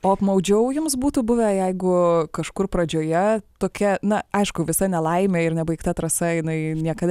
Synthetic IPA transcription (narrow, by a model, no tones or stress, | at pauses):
oːɐpmɐʊd͡ʒʲɛʊjʊmsbuːt̪uːbʊʋʲɛjɛɪɡʊkɐʃkʊrpɾɐd͡ʒʲoːjɛt̪oːkʲɛnɐɐɪʃkʊʋʲɪsɐnʲɛlˠɐɪmʲeːɪɾnʲɛbɐɪkt̪ɐt̪ɾɐsɐjɪnɐɪnʲiɛkɐd̪